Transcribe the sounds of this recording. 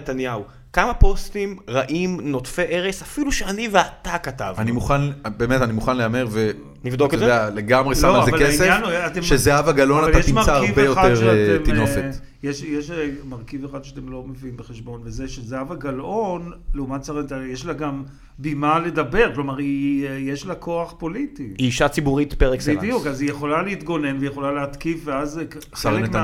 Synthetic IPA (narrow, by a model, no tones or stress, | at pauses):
net̪anjau | kamapo̞stimʁaʔimno̞tfeʔeʁesafiluʃeaniveat̪akatavanimuχanbemetanimuχanleameʁve | nivd̪okezeealeɡamʁeslamoazealkeiseanuat̪emʃezeavaɡalonaaljaeʃimmat͡saːʁvbejoaeʁʃteminofet | jeʃjeʃmaʁkiveχad̪ʃeat̪e̞mlo̞meviimbeχeʃbo̞nvezeʃezeavaɡalʔo̞nleumatt͡saʁent̪ajeʃlaɡam | bimale̞dabe̞ʁklo̞maʁijeʃlako̞aχpo̞litiiʃat͡sibuʁit̪peʁeksbind̪ijukazijeχo̞laleit̪ɡo̞ne̞nveijeχo̞laleat̪kivveazsaenma